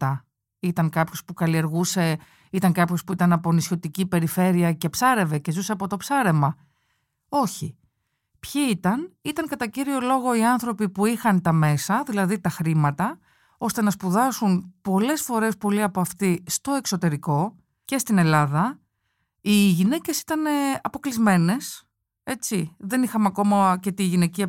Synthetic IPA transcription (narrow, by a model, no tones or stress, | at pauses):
ɐ | it̪ɐŋkɐpço̞spukɐlie̞ɾɣuse̞ | it̪ɐŋkɐpço̞spuit̪ɐnɐpo̞nisço̞t̪icipe̞ɾife̞ɾiɐce̞psɐɾe̞ve̞ce̞zuseɐpo̞t̪o̞psɐɾe̞mɐ | o̞çi | pçiit̪ɐnit̪ɐŋkɐt̪ɐciɾio̞lo̞ɣo̞iɐnθɾo̞pipuixɐnt̪ɐme̞sɐðilɐðit̪ɐxɾimɐt̪ɐ | o̞st̪e̞nɐspuðɐsunpo̞le̞sfo̞ɾe̞spo̞liɐpoɐft̪ist̪o̞e̞kso̞t̪e̞ɾiko̞ | ce̞st̪ine̞lɐðɐ | iʝine̞ce̞si̥t̪ɐneɐpo̞klizme̞ne̞s | e̞t͡ssiðe̞nixɐmɐko̞mɐce̞t̪iʝine̞ciɐ